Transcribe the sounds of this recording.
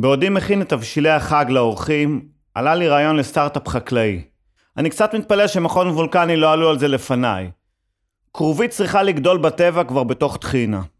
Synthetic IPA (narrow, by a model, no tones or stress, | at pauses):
beodimːeχinet̪avʃileaχaɡlao̞ʁχim | ʔa̰laliʁaːjo̞nle̞staʁt̪apχaklai | anikt͡sat̪mit̪̚paleʃemaχo̞nvulkanilo̞alualze̞le̞fanaj | kʁovit̚t͡sʁiχaliɡdo̞lbate̞vakvaʁbe̞to̞χt̪χina